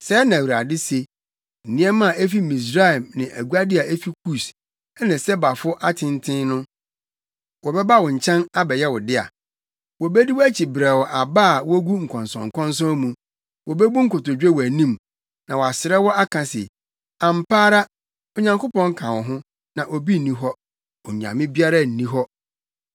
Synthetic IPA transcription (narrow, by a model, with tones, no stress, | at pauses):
sɛ˦nã˨wu˨ɾa˨dɪ˦se˨ | n̩˨nɪ̃˦ɛ˦mã˦˨e˦fi˦mĩ˨s̬ɾa˦˨mnɪ̃˨ʔæ˨ɡu˦a˦dɪ˦a˨ʔe˦fi˦kʰu˦˨s | ɛ˦nɪ̃˨sɛ˦ba˨fʊ˦ʔa˦tʰɪ̃˦n˦tʰɪ̃˦nnʊ̃˦ | wɔ˨bɛ˦ba˦wɔ˨ɲ̩˨t͡ɕʰɛ̃˦na˦bɛ˨jɛ˦wɔ˨dɪ˦a̰˨ | wɔ˨bɛ˦di˦wɔ˦æ˦t͡ɕʰi˨bɾɛ˨wɔ˨ʔa˨baː˦˨wɔ˦ɡu˦ŋ̩˨kʰɔ̃˨nsɔ̰̃˨ŋ̩˨kʰɔ̃˦n˦s̬ɔ̃˦mũ˨ | wɔ˨bɛ˦bu˦ŋ̩˦kʊ˨tʊ˨d͡ʑᶣɛ˦wɔ˨æ˨nĩ˦m | nã˨wɔ˨a˨sɪ˨ɾɛ˦wɔ˦a˦kʰã˨sɛ̰˨ | ã˨m˨paː˦ɾa˦ | ɔ˨ɲã˨ŋkʊ˦pɔ̃˦ŋ̩˦kʰã˨wɔ˨ɦʊ̃˦ | nã˨ʔo˨bi˦n̩˨nĩ˦ɦɔ˦ | ɔ˨ɲã̰˨mɪ̃˦bi˦a˦ɾa˦n̩˨nĩ˦ɦɔ˦